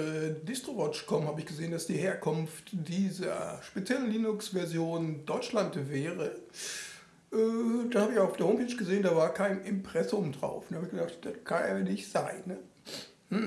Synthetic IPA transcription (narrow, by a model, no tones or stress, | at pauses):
ɛːdɪstʁ̥ovɔt͡ʃkʰɔmhaːbəɪçɡ̥əzeːəndasd̥iːheːɐkʰʊnftd̥iːzɐ̰ʃpet͡sjɛlənliːnʊksv̥ɛɐzjoːndɔʏt͡ʃlantvɛːʁə | ʔɛːd̥ashaːbəɪçaʊfdeːɐoʊmpɛːt͡ʃɡ̥əzeːəndaːvaːɐkʰaɪnʔɪmpʁ̥ɛsʊmdʁa̰ʊfnəhaːbɪçɡ̥ədaχtd̥akʰaneːɐnɪçtz̥aɪnːə | hm̩